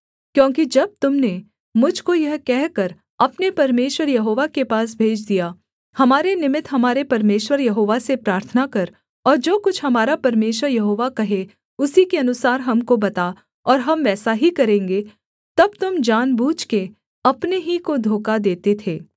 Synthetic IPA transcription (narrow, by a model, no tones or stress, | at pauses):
kjõːkid͡ʒɐb̚t̪ʊmne | mʊd͡ʒʱkojɐɦkɛɦkɐɾ | ɐpnepɐɾmeːʃwəɾjɐɦoːʋakepaːs̬bʱeːd͡ʒd̪ija | hɐmaːɾenɪmɪt̪ɦɐmaːɾepɐɾmeːʃwəɾjɐɦoːʋasepɾaːɾt̪ʰənakɐɾ | ɔːɾd͡ʒoːkʊt͡ʃʰɦɐmaːɾapɐɾmeːʃwəɾjɐɦoːʋakɐɦe | ʊsikeɐnʊsaːɾɦɐmkobɐt̪a | ɔːɾɦɐmʋɛːsaɦikɐɾẽːŋɡe | t̪ɐb̚t̪ʊmd͡ʒaːnbuːd͡ʒke | ɐpneɦikod̪ʱoːkad̪eːt̪et̪ʰeː